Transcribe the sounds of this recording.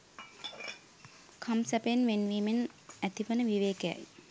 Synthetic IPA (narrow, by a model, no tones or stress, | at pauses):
kʰamsæpənʋenʋiːmenæt̪iʋənəʋiʋeːkəja̰j